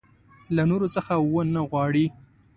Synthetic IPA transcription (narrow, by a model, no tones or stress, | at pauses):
lanoɾot͡səxawənaɣwɑɽi